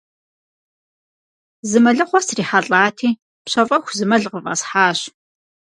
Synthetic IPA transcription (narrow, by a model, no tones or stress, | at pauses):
zɨmɐɮɨχʷɔsriːħaɬʼaːtʰiː | pɕɐfʼɐxʷzɨmɐɮʁəva̰sħaːɕ